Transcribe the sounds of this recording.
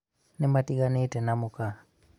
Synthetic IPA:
nɛmatiɡanɛtɛnamuka

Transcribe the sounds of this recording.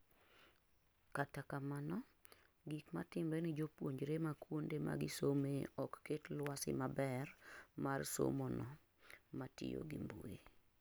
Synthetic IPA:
katakamanɔ | ɡikma̰tɪmɾenɪd͡ʒopwoɲd͡ʒɾemakwondema̰ɡɪsomeɔkːetlwasɪ̰mabɛrmarso̰mɔnɔ | matɪ̰jo̰ɡimbṵḛ

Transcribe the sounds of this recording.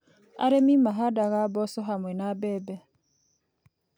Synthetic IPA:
a̰ɾemimaɦadaɣabɔsɔɦamwɛnabɛbɛ

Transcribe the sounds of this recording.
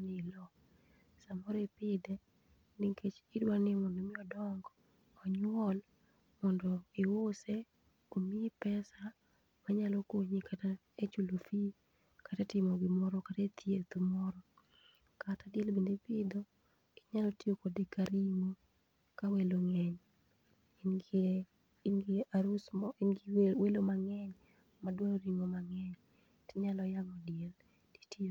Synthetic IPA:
nɪlɔ | samɔɾɔepɪdɛ | niŋkʰet͡ʃɪdwanɪmɔndɔmɪɔdɔŋɡɔ | ɔɲwɔl | mɔndɔewose | omiepɛsa | maɲalɔkoɲikʰata | et͡ʃulofi | katɛtɪmɔɡɪmɔɾɔkatet̪ʰjet̪umɔɾɔ | katadjelbendepɪd̪ɔ | ɪ̥ɲalɔtiokodekaɾimo | kaweloŋɛɲ | nɡiaɾusɪnɡiwelomaŋɛɲ | madwaoɾiŋomaŋɛɲ | tɪɲalɔjaŋɔdjel | d̥i̥tio

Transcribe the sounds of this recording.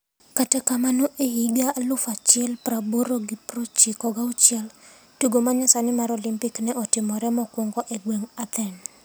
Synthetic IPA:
katɛkamanoʔeɦiɡalʊfat͡ʃɪɛlpɾaboɾoɡipɾɔt͡ʃɪkɔɡaut͡ʃjɛl | tuɡomaɲasanɪmaɾɔlɪmpɪknɛʔɔtɪmɔɾɛmɔkwoŋɡɔʔɛɡweŋat̪ɛn

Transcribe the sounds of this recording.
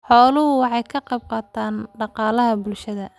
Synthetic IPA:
ħɔːlʊɦʊwɑħɑjkʰɐqɑb̚qɑːt̪ʰaːnɖɑqɑːlɐɦɐbʊlʃɐðɐ

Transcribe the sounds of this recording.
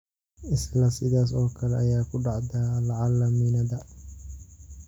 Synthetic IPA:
ɪslɐsɪðaːs̬ɔːkʰɐlɛɐjaːkʰʊɖɑʕd̪aːlɐʕɑlːɐmiːnɐðɐ

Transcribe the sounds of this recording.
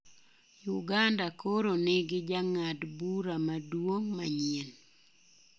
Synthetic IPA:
juɡandakoɾonɪɡɪd͡ʒaŋadbuɾamadwoŋmaɲien

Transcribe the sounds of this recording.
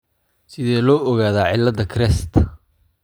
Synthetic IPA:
sɪðɛːlɔːʔɔɣaːðaːʕɪlːɐd̪ɐkʰɾɛst̪ʰ

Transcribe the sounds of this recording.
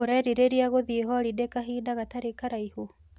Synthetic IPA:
oɾɛɾiɾeɾiaɣoðieɦɔɾidekaɦiːdaɣataɾekaɾaiho

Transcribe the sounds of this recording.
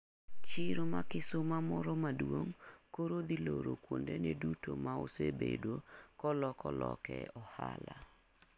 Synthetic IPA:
t͡ʃɪɾomakɪsʊmamɔɾɔmadwoŋkoɾod̪iloɾokwondenedutomaosebedwokɔlɔkɔlɔkɛɔhala

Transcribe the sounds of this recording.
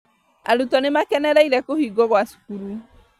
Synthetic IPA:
a̰ɾutɔnemakɛnɛɾɛiɾɛkohiɡɔɣwasu̥kuɾu

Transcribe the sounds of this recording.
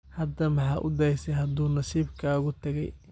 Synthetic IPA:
hɐd̪ɐmɑħɑːʔʊ̰d̪ɛjsɛɦɐd̪uːnɐsiːbkʰaːɣʊt̪ʰɐɣɛ̰j

